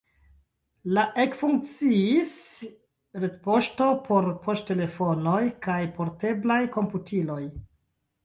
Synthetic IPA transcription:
laʔe̞kfuŋk̚t͡siis | ɾetpo̞ʃto̞pʰo̞ɾpʰostte̞le̞fo̞no̞jkajpo̞ɾte̞blajko̞mputʰilo̞j

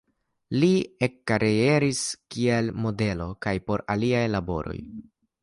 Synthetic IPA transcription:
liekːaɾee̞ɾiskie̞lmo̞de̞lo̞kajpo̞ɾaliajlabo̞̰ɾo̞̰j

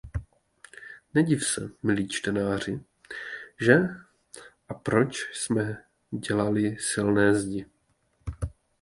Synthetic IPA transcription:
nɛɟifsɛ̰mɪliːt͡ʃt̪ɛnaːr̝ɪ | ʒɛ | ʔapɾo̞t͡ʃsmɛ | ɟɛlalɪsɪlnɛːzɟɪ

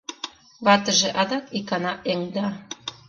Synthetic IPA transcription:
βɑt̪ə̆ʒĕʔɑd̪ɑkikɑnɑʔeŋd̪ɑ

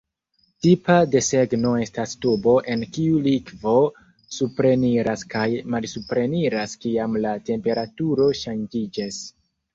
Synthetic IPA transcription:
tipade̞se̞ɡno̞e̞stastobo̞ʔe̞nkiulikvo̞ | supɾe̞niɾaskajmalsupɾe̞niɾaskiamlate̞mpe̞ɾatuɾo̞ʃand͡ʒid͡ʒas

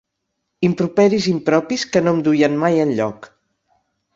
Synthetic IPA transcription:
impɾupɛɾizimpɾɔpiskənomd̪ujənmajənʎɔk

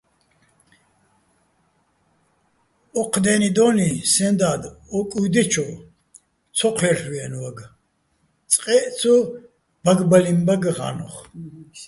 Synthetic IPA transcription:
ɔqʰd̪ɛnid̪ɔnisɛnd̪ad̪ɔkʼud̪ɛt͡ʃʰɔ | t͡sʰɔqʰlɛrwiɛnwaɡ | t͡sʼqʼɛʔt͡sʰu | baɡbalimbaɡʁa̰nɔ̰χ

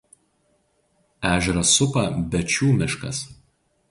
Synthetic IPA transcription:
æːʒʲɛɾɐsʊpɐbʲɛt͡ʃʲuːmʲɪʃkɐ̰s

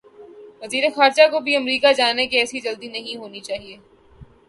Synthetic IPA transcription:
ʋɐziːɾexaːɾd͡ʒakobʱiɐmɾiːkad͡ʒaːnekiɛːsid͡ʒɐld̪inɐɦĩɦoːnit͡ʃaːɦieː

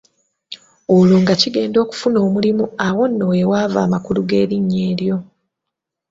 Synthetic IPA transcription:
oloːŋɡaciɡe̞ːndo̞ːku̥funo̞ːmulimuawo̞nːowewaːva̰ːmakuluɡe̞̰ːɾiɲːe̞ːɾjo̞

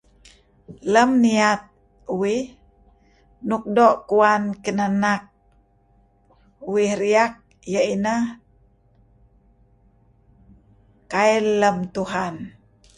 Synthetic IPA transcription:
ləmniat̪̚ | uwih | nuk̚doʔkuankənanak̚ | uwihɾiak̚ | jəinə | kailːəmt̪uɦan

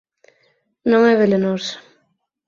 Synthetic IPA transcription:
nõŋɛβelenos

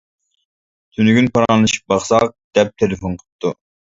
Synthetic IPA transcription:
t̪ʰynyɡʲynpɑɾɑnlˠɨʃi̥p̚bɑχsɑq̚d̪̥ɛp̚t̪ʰelɪfonqʰə̥p̚t̪ʰːu

